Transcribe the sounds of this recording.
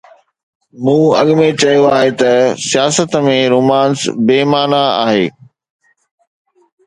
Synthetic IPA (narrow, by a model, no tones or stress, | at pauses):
mũːɐɠmẽt͡ɕɐjoaːɦet̪ɐsijaːsət̪mẽɾoːmaːnsbeːmaːnaa̰ːɦeː